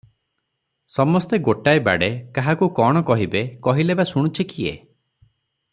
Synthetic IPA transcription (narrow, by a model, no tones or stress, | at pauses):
sɔmɔst̪eɡoʈajba̰ɽekaɦakukɔɽ̃ɔkɔɦibekɔɦilebasuɽ̃ut͡ʃʰikiḛ